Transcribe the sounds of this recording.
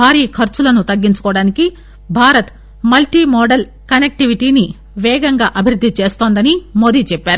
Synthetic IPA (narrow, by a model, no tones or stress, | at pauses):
aːɾiːkʰɐɾt͡ʃulɐnut̪ɐɡːiɲt͡ʃɐ̥kɔːʋɐɽaːniki | bʱaːɾɐt̪ | mɐlʈimɔːɖɐl | kɐnek̚ʈiʋiʈiːni | ʋɛːɡɐŋɡaːʔɐbʱiɾud̪ʱːit͡ʃeːst̪oːnd̪ɐnimoːd̪it͡ʃɛpːaːɾu